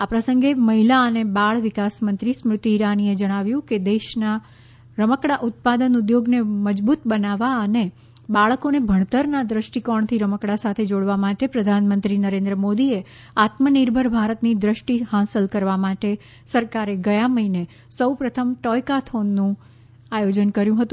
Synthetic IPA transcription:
apɾəsə̃ŋɡeməɦilaənebaɭʋikasmənt̪ɾismɾʊt̪iːɾanied͡ʒəɽ̃aʋjũked̪eʃna | ɾəməkɽaʔʊt̪̚pad̪ənud̪joɡneməd͡ʒbut̪bənaʋaəne | baɭkonebʱəɳ̃t̪əɾnad̪ɾəʃʈikɔɳt̪ʰiɾəməkɽasat̪ʰed͡ʒoɽʋamaʈepɾəd̪ʱanmə̃nt̪ɾinəɾẽnd̪ɾəmod̪ie | at̪məniɾbʱəɾbʱaɾət̪nid̪ɾəʃʈihãsəlkəɾʋamaʈe | səɾkaɾeɡəjaməɦine | səwpɾət̪ʰəmʈɔjkat̪ʰonːũ | ajod͡ʒənkəɾjũɦət̪ũ

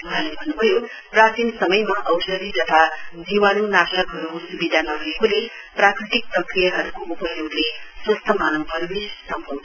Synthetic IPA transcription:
ɦalebʱʌnːubʱʌjo | pɾat̪insʌmʌjmaʔʌwsʌd̪it̪ʌt̪ʰad͡ʒiwanunasakɦʌɾusubid̪ʱanʌɦujekule | pɾakɾit̪ik̚pɾʌkɾijʌɦʌɾukoʔupʌɦjoɡleswʌst̪ʰʌmanʌŋpʌɾubissʌmpʰʌm

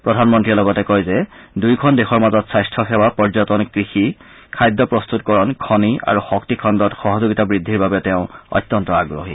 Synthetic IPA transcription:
pɹɔdʱanmɔntɹilɔɡɔtɛkɔjzɛdujkʰɔndexɔɹmazɔtsajstʰɔxɛwapɔɹzɔtɔnkɹixi | kʰajdːɔpɹɔst̪utkɔɹɔnkʰɔnia̰ɹuxɔk̚tikʰɔndɔtxɔɦɔzuɡitabɹidʱːiɹbabɛtɛʊ̃ɔ̰t̪ːɔntɔaɡɹo̰ɦḭ

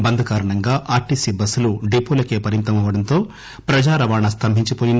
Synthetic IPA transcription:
bɐnd̪ʱɐkaːɾɐɳɐŋɡaːʔaːɾʈisibɐsːuluɖipulɐkeːpɐɾint̪ɐmɐʋɐɽɐnt̪o̞ː | pɾɐd͡ʒaːɾɐʋaːɳɐst̪ʰɐmbʱiɲt͡ʃipoːjin

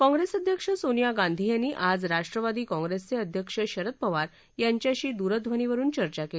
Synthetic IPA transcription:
kɔ̃ŋɡɾesəd̪ʱjəkʂəsonjaɡãnd̪ʱijanːiːʔad͡zɾaʂʈɾəʋad̪iːkɔ̃ŋɡɾest͡seəd̪ʱjəkʂəɕəɾət̪̚pəʋaɾ | jaɲt͡ɕjaɕiːd̪uɾəd̪ʋʱəniʋəɾuːnt͡ɕəɾt͡ɕakeli

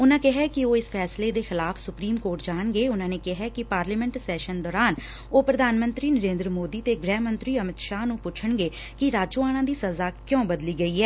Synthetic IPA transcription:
ʊnãːkɪɦɛːkɪoːɪspʰɛːsleːd̪eːxɪlaːfʰsʊpɾiːmkoːɾʈd͡ʒaːɳɡeːʊnãːneːkɪɦɛːkɪpaːɾlɛːmɛ̃ɳʈsɛːʃənd̪ɔːɾaːn | oːpɾəd̪ʱaːnmənt̪ɾiːnəɾẽːnd̪ɾəmoːd̪iːt̪eːɡɾɛːmə̃nt̪ɾiːəmɪt̪ʃaːɦnũːpʊt͡ʃʰəɳɡeː | kɪɾaːt͡ʃõaːɽ̃ãːd̪iːsəzaːkjõːbəd̪liːɡəiːɦɛː

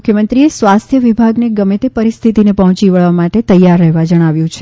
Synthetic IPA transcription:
kʰjəmənt̪ɾiesʋast̪ʰjəʋibʱaɡneɡəmet̪epəɾist̪ʰit̪inepəɦɔ̃t͡ʃiʋəɭʋamaʈet̪əjːaɾːəɦeʋad͡ʒəɽ̃aʋjũt͡ʃʰe̥

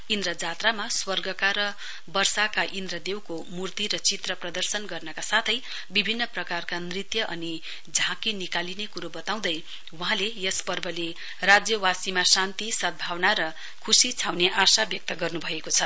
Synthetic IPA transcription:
ind̪rʌd͡zat̪ramaswʌrɡʌkaɾʌ | bʌrsakaʔind̪ɾʌd̪ewko | murt̪iɾʌt͡sit̪rʌprʌd̪ʌrsʌnɡʌrnʌkasat̪ʰʌj | bibʱinːʌprʌkarkanrit̪jʌʔʌni | d͡zʱãkinikalinekuɾobʌt̪aw̃d̪ʌj | wuɦãlejʌspʌrbʱʌle | rad͡zjʌwasimasant̪isʌd̪̚bʱawnaɾʌ | kʰusit͡sʰawneʔasabjʌk̚t̪ʌɡʌrnubʱʌekot͡sʰʌ

